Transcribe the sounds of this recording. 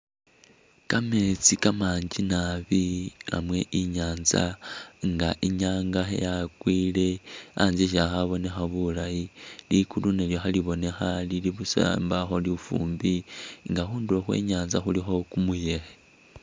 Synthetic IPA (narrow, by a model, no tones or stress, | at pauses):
kame̞t͡sikamaːɲd͡ʒinaβia̰mwe̞ʔiɲaːnza̰ŋɡaʔiɲaːŋɡaxḛjakwiːle̞anzeʃ̬axaβo̞ne̞xaβulajilikuluneljoxaliβo̞ne̞xaliliβusa̰mbaxo̞liufṵːmbiŋɡaxuːndio̞xwe̞̰ɲaːnzaxulixo̞kumuje̞xe̥